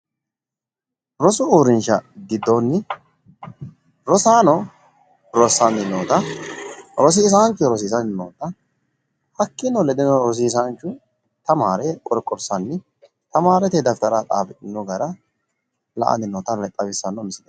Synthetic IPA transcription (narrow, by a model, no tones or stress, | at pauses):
ɾɔsʊuːɾɪnʃɐɡɪd̪ːonːɪ | ɾɔsaːnɔ | ɾɔsɐnd̪ɪnːoːt̪ɐ | ɾɔs̬iːs̬ant͡ʃːɔɾɔs̬iːsɐnɪnːoːt̪ɐ | hɐkːɪnɔlɛd̪ɪnɔɾɔs̬iːs̬ant͡ʃːʊ | t̪ɐmaːɾɛkʼɔɾkʼːɔɾsɐnːɪ | t̪ɐmaːɾɛt̪ɛd̪ɐft̪ɐɾat̪ʼa̰ːfɛt̪ʼːɪnːɔɡɐɾɐ | lɐ̰ʔɐ̰nd̪ɪnːɔːt̪ɐlɛt̪ʼːɐbɪsːɐnɔmɪsɪd̪ɐ